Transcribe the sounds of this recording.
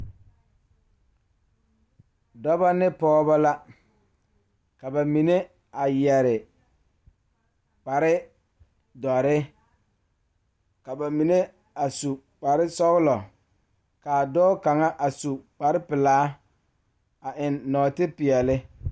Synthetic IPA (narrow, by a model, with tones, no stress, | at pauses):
dɔ˦ba˦nɪ˦pɔː˦ba˦la˦ | ka˨ba˨mi˨ne˦ | a˨jɛ˨ɾɪ˨ | k͡pa˨ɾɪ˦ | dɔ˨ɾɪ˦ | ka˨ba˨mi˨ne˦ | a˨su˨ | k͡pa˨ɾɪ˦sɔ˦ɣɪ˦lɔ˨ | ka˨dɔː˦ka˨ŋa˦ʔa˨su˨k͡pa˨ɾɪ˦pɪ˨laː˨˦ | a˨ʔɪ˨nːɔː˨tɪ˦pɪ˨ɛ˨lɪ˦